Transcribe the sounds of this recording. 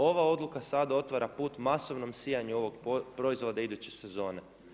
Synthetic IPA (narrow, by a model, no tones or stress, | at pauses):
o̞ʋao̞d̪lukasad̪ao̞t̪ʋaɾapuːt̪maso̞ʋno̞msijaɲuo̞ʋo̞ɡpɾo̞izʋod̪aid̪ut͡ɕesezo̞ːne